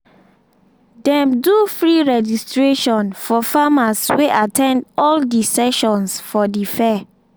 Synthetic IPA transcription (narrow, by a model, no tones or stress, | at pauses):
dɛ̃mdufɹiɹɛd͡ʒistɹeʃɔ̃nfɔfamasweʔatʰɛ̃ndɔldisɛʃɔ̃nsfɔdifɛ